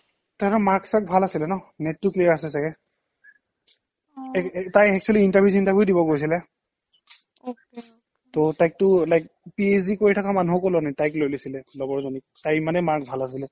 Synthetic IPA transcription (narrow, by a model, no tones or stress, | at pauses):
taɾɔmaɹksak̚bʱalasilɛnɔnɛtːukliɹasɛsaɡɛ | ɛtajɛk̚t͡ʃʰuɔliintaɹbʱjus̬intaɹbjujdibɔɡojs̬ilɛ | ok | totajk̚tʊlajk̚ | pies̬dikoɹitʰakamanuɔkolɔnatajklojlosilɛlɔɡɔɹzɔnik̚tajmanɛmaɹkbʱalas̬ilɛ